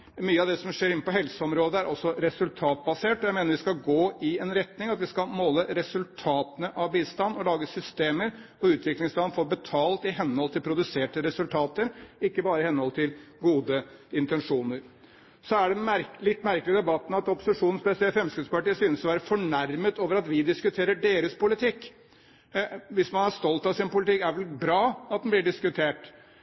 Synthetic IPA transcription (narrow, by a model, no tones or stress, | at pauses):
myːəɑʋd̪ɛsɔmʂeːɾɪnːəpɔɦɛlsəɔmɾoːd̪əæɾʔɔsːɔɾɛsʉlt̪ʰɑːt̪̚bɑseːʈɔjæɪmeːnəɾʋɪskɑɡoːɪɛnɾɛt̪nɪŋɑt̪ʋɪskɑmoːləɾɛsʉlt̪ʰɑːt̪ənəʔɑʋbiːst̪ɑnːɔlɑːɡəsʏst̪eːməɾ | ɔʉːt̪ʰʋɪklɪŋsɑːnfoɾbɛt̪ʰɑːlt̪ɪɦɛnːəhɔlt̪ʰɪlpʰɾʊd̪ʉseːʈəɾɛsʉlt̪ʰɑːt̪əɾɪkːəbɑːɾəɪhɛnːəhɔlt̪ʰɪlɡuːd̪əɪnt̪ɛnʂuːnəɾ | sɔæɖɛɾlɪt̪ːmæɾklɪəd̪ɛbɑt̪ːn̩ɑt̪ɔpːʊ̥sɪʂuːnn̩spɛsɪɛlfɾɛmskʉːd̪spɑʈiːəsyːnəsɔʋæːɾəfɔɳæɾmət̪oːʋəɾɑt̪ʋɪd̪ɪskʉt̪ʰeːɾəɖeːɾəspʰʊlɪt̪ʰɪkː | ʋɪsmɑnæʂt̪ɔlt̪ɑsɪnpʊlɪt̪ʰɪkːæɾʋɛlbɾɑːɑt̪̚d̪ɛnblɪɖɪskʉt̪ʰeːʈ